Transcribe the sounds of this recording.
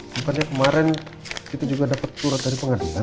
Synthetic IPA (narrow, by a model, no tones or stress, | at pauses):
əmpanɲakəmaɾɛnkit̪ad͡ʒuɡadapat̪ːuɾat̪̚daɾipəŋadila